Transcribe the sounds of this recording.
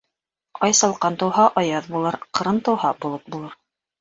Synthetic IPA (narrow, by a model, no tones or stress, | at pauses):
ɑjsɑlˠqɑnt̪ɤ̆wɦɑʔɑjɑðbulˠɤɾqɤ̆ɾɤnt̪ɤ̆whɑbulˠɤp̚bulˠɤɾ